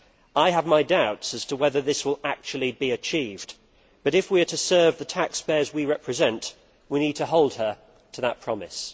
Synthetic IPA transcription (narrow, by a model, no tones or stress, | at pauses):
aɪəvmaɪdaʊtsɨz̥tʰəwɛðə˞ðɪswəlˠæk̚t͡ʃul̩ˠibiɨt͡ʃʰivd | b̥ʌɾɨfwiə˞ɾɨsɜ˞vðətʰækspɛzwiɹɛpʰɹɨzɛ̃nʔ | winid̚tʰəɦoʊlˠd̚ə˞ | tʰəðət̚pʰɹ̥ɑmɨ̰s